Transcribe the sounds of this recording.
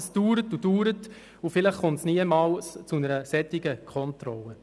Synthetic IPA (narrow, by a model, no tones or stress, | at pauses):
sd̥uːɾətud̥uːɾət | ufɪləχχʊmtsniəmɑːlst͡sunəɾəsɛt̪ɪɡəkʰɔntɾɔlːə